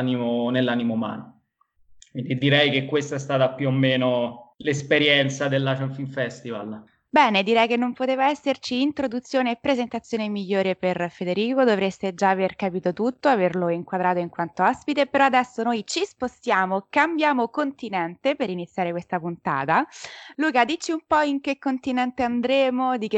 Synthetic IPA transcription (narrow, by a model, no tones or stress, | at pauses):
nimonelːanimouma̰ːno | kkwind̪id̪iɾɛjkekːwest̪aɛst̪aːt̪apjuomːeːnolespeɾjɛnt̪sad̪elːaʃɛnfinfɛst̪ival | bɛːned̪iɾɛjkenːompot̪eːvaɛsːert͡ʃiːnt̪ɾod̪ut̪sːjoːneːpːɾezent̪at̪sːjoːnemiʎːoːɾeperfed̪eɾiːkod̪ovɾest̪ed͡ʒaːverkapiːt̪ot̪ut̪ːoaverloiŋkwad̪ɾaːt̪oiŋkwant̪oɔspit̪epeɾɔad̪ɛsːonoːjt͡ʃispost̪jaːmokambjaːmokont̪inɛnt̪epeɾinit̪sjaːɾekwest̪apunt̪a̰ːt̪aluːkad̪it͡ʃːiumpɔiŋkekːont̪inɛnt̪eand̪ɾeːmod̪ik̟e